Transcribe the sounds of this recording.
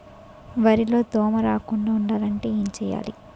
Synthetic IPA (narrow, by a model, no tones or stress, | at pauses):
ʋɐɾilo̞ːt̪ɔːmɐɾaːkuɳɖaːuɳɖaːlɐɳʈe̞ːeːɲt͡ʃɛːjːa̰ːlḭ